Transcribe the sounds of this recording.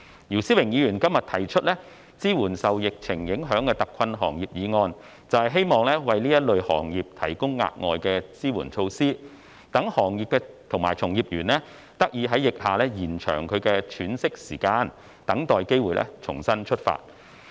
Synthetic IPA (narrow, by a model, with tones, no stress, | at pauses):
jiː˨˩wsiː˥wɪ˨˩ŋjiː˨˧jyː˨˩nkɐ˥mjɐ˨t̪ʰɐ˨˩jt͡ʃʰɵ˥t̚lɛː˥ | t͡siː˥wuː˨˩nsɐ˨wjɪ˨k̚t͡sʰɪ˨˩ŋjɪ˨˥ŋɦœː˨˥ŋkɛː˧t̪ɐ˨kʰːɐ˧nɦɔ̰ː˨˩ŋjiː˨p̚jiː˨˧ŋɔː˧n | t͡sɐ˨whɐ˨jɦe˥jmɔː˨˧ŋlɛː˥wɐ˨jniː˥jɐ˥t̚lɵ˨˧ɥhɔ̰ː˨˩ŋjiː˨p̚t̪ʰɐ˨˩jkʊ˥ŋːa̰ː˧t̚ŋɔ̰ː˨jkɛː˧t͡siː˥wṵː˨˩nt͡ʃʰo˧wsiː˥ | t̪ɐ˨˥ŋhɔː˨˩ŋjiː˨p̚kɛː˧ | t̪ʰʊ˨˩ŋma̰ː˨˩jt͡sʰʊ˨˩ŋjiː˨p̚jyː˨˩nlɛ˥ | t̪ɐ˥k̚jiː˨˧ɦɐ˨˥jɪ˨k̚haː˨˩lɛː˥jiː˨˩nt͡ʃʰœ̰ː˨˩ŋkʰɵ˨˧ɥkɛː˧t͡ʃʰyː˨˧nsɪ˥k̚siː˨˩kaː˧n | t̪ɐ˨˥ŋt̪ɔː˨jke˥jwuː˨jlʔɛ̰˥t͡ʃʰʊ̰˨˩ŋsɐ˥nt͡ʃʰɵ˥t̚fa̰ː˧t̚